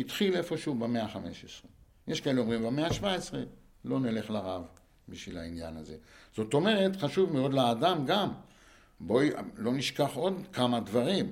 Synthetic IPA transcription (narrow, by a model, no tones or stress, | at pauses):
itχile̞fo̞ʃeubemeaχameʃesʁe | jʔeʃkaeleo̞mʁimbemeaʃvaesʁe | lo̞nele̞χlaʁav | biʃvilainja̰naze̞z̥o̞t̪o̞me̞ʁe̞t̪χaʃuvmeo̞d̪leːdamɡam | bo̞lo̞niʃkaχo̞dkamad̪vaʁim